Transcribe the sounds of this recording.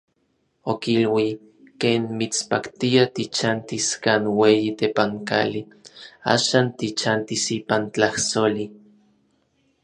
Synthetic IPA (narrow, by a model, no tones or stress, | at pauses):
okilwi | keːnmit͡spakt̪iat̪it͡ʃant̪iskaːnweːjit̪epaŋka̰li | a̰ːʃaːnt̪it͡ʃant̪isiːpant͡ɬahsoli